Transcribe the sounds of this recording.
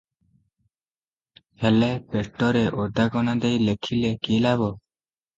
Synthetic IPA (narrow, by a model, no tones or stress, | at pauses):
hɛlɛpeʈːɔɾeʔɔd̪aɡɔnad̪ejlekʰilekilaβɔ